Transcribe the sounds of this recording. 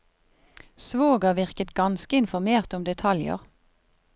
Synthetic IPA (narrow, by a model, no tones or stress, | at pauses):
sʋoːɡɑʋɪʁkət̪ɡɑnskəɪnfɔʁmeːʁt̪ʊmd̪ɛt̪ʰɑljə̰ʁ